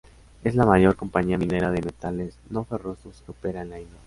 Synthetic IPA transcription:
e̞zlamaʝo̞ɾko̞mpaɲiamĩne̞ɾaðe̞me̞t̪ale̞sno̞fe̞ro̞soskeo̞pe̞ɾaenlajno

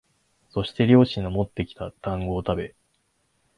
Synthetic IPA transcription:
so̞ɕi̥t̪e̞ɾʲo̞ːɕĩnomo̞t̪ːe̞kʲi̥t̪ad̪̥ãŋɡo̞ːt̪abe̞

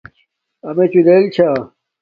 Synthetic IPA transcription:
ɐmet͡ɕud̪elt͡ɕʰa

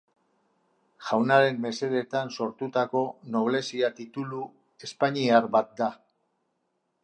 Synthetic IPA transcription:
ʝawnaɾe̞mːe̞se̞ðet̪anso̞ɾt̪ut̪ako̞no̞β̞le̞siat̪it̪ulu | e̞spaɲiaɾbat̪̚d̪a

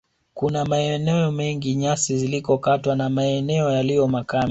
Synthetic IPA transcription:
kunamaɛnɛɔmɛŋɡiɲasizilikɔkatwanamaɛnɛɔjalijɔmakami

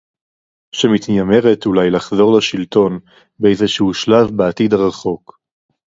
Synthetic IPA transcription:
ʃemit̪njame̞ʁetulajlaχzo̞ʁlaʃilto̞n | beejzeʃehuʃlavbeatid̪aʁaχo̞k

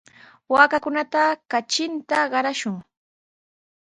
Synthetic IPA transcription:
waːkakʊnat̪akat͡ʃɪnt̪aɢɑɾaʃʊŋ

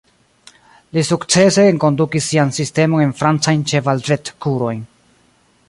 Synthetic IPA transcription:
lisukt͡se̞se̞ːŋko̞ndukisːiansiste̞mo̞ne̞nfɾant͡sajnt͡ʃe̞vald͡ʒe̞tkuɾo̞jn

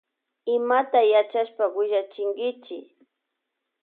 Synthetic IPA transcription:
ɪmat̪ajat͡ʃaʃpawɪʒat͡ʃɪŋɡɪt͡ʃɪ

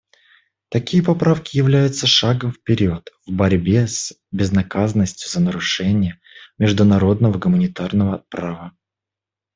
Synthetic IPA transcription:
t̪ɐkʲijəpɐpɾafkʲɪjɪvlʲæjʊt̪səʂaɡəmfpʲɪɾʲiot̪vbɐɾʲbʲes | bʲɪznɐkazənəsʲtʲjʊzənəɾʊʂɛnʲɪjə | mʲɪʐd̪ʊnɐɾo̞d̪nəvəɡʊmənʲɪt̪arnəvəɐpɾavə

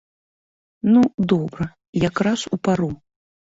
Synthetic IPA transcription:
nud̪ɔbɾɐ | jakɾasupaɾu

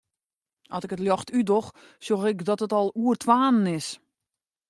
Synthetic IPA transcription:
ʔɔsɪkətljɔxtʰydox | sjoxɪkdɔtətɔlˠuərtʰʋaːnənɪs

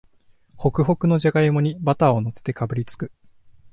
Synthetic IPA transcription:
ho̞kɯ̟ɦo̞kɯ̟no̞ʑaɡaimo̞ɲ̟ibat̪ao̞no̞se̥t̪e̞kabɯ̟ɾʲit͡sɨ̥kɯ̟

